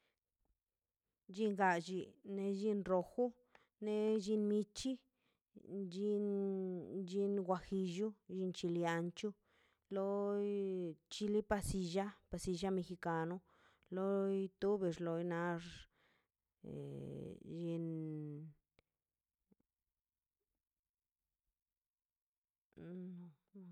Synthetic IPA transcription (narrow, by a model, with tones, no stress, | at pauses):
d͡ʒi˦˧ŋɡa˧d͡ʒi˧ne˧d͡ʒi˧nɾo˨xu˦ | ne˧d͡ʒi˧nmi˧t͡ʃi˦ | d͡ʒi˧n | d͡ʒi˧nɡʷa˧xi˧ʒu˦ʒi˧nt͡ʃi˧lja˧nt͡ʃu˦ | lo˦jt͡ʃi˧li˦pa˧si˧ʒa˦pa˧si˧ʒa˦me˧xi˧ka˨˧no˦ | lo˦jt̪u˦be˧˨ʐlo˧jna˧ʐ | ʒi˧n˧